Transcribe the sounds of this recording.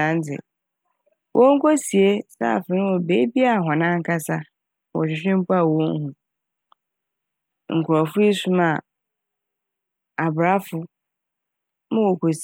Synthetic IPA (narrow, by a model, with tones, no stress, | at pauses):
ã˨˦n̩˦t͡sʰɪ̰˨ | wʔo˦ŋ̩˦kʰo˦si˨e˦sa̰ː˦˨fɪ̃˨ñ˦wɔ˨be˦bi˦a˨ɦɔ̃˨nã˦ŋ̩˦kʰa˦sa˦ | wɔ̰˨ɕᶣɪ˨ɕᶣɪ̃˦m̩˦pʰʊ˦a˨wɔ̃˦ŋ˦ɦũ˨ | ŋ̩˨kʰʊ˨ɾɔ˨fʊ˦i˦sũ˦ma˨ | a˨bɾa˦fʊ˨ | mʊ̃˦wo˨kʰo˨s